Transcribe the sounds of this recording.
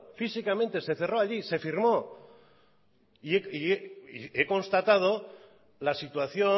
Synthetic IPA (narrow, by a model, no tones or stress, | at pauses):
fisikamẽnt̪e̞se̞θe̞ro̞aʎise̞fiɾmo̞ | ieieieko̞nst̪at̪að̞o̞ | lasit̪waθjo̞